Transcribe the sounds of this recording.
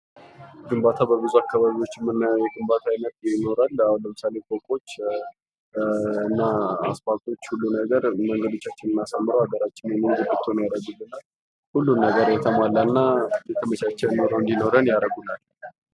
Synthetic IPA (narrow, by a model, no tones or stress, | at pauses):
ɡɨmbat̪ʰabəbɨzuakːaβaβiwo̞t͡ʃːmɨnjɛɡɨmbat̪ʰajnət̪jɛno̞ɾalanləmɨsalekʼokʼo̞t͡ʃː | ɨnːaa̰spat̪ʼo̞t͡ʃːhulːunəɡəɾməŋɡəd̪o̞t͡ʃːat͡ʃːɪnɨnːasamːɨɾəwhaɡəɾat͡ʃːɪnjɛmɨŋɡɨd̪ɨt̪ʰːonjaɾəɡulːɨnal | hulːunːəɡəɾjɛt̪ʰəmalːaɨnːajk̪ʰəmət͡ʃat͡ʃːɛnoɾəwɨnd̪ino̞ɾənjaɾəɡulal